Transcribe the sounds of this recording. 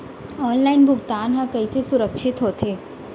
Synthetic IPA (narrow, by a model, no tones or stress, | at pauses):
ɔːnlaːɪnbʱʊɡt̪aːnɦãkəisesʊɾəkʃʰɪt̪ɦoːt̪eː